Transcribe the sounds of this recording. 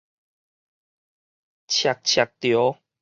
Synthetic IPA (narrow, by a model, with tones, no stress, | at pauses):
t͡ɕʰja˨k̚t͡ɕʰja˨˩k̚t̪jo˨˦